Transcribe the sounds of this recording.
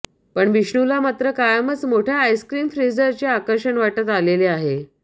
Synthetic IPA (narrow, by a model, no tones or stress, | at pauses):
pəɳʋiʂɳulamat̪ɾəkajəmət͡smoʈʰjaːjskɾiːmfɾid͡zəɾt͡ɕeakəɾʂəɳʋaʈət̪aleleaɦe